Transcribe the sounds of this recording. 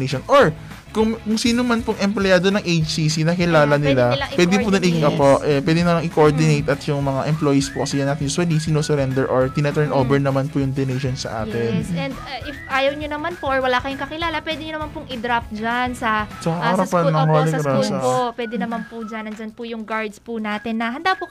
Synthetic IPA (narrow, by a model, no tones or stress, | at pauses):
eʃonʔoɹ | kʊŋkʊŋsiːnomɐnpoŋʔɛmplojaːd̪onɐŋʔejt͡ʃsiːsinɐkɪlaːlɐnɪlaɐpwɛːd̪ɪpʊnɐnɪɐpoʔɛpwɛːd̪ɛnɐmaɐŋʔɪkoʔoɹd̪ɪnejt̪ʔɐt̪jʊŋmɐŋaʔɛmplojispokɐsɛjɐnːat̪ɪnd͡ʒswɐlisinosɛɾɛnd̪ɛɹʔoɹt̪ɪnɐt̪ɛɹnʔoːvɛɹnɐmanpʊjʊŋd̪onejʃonsɐ̰ʔa̰ːt̪ɪnsɛnd̪ʔɪfʔaːjɐwɲonɐmanpoʔɔɹwɐlaːkɐjʊŋkɐkɪlaːlɐpwɛːd̪ɪɲonɐmanpʊŋɪd̪ɾaft̪̚d͡ʒansɐsɐkɐʔaɾapɐnɐholɪɾaspopwɛːd̪ɛnɐmanpʊd͡ʒanɐnd͡ʒanpʊjʊŋɡaɹd̪spʊnaːt̪ɪnːɐɦɐnd̪apʊ